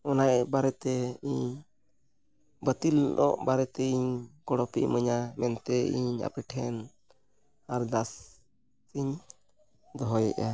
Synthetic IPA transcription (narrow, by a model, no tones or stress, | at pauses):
ɔnajbaɾɛt̪ɛiɲ | bət̪ilnʔɔ̰ʔbaɾɛt̪ɛiɲɡɔɽɔpḭʔməɲamɛnt̪ɛiɲa̰pɛʈʰɛn | aɾd̪as | iɲ | d̪ɔɦɔjɛ̰ʔa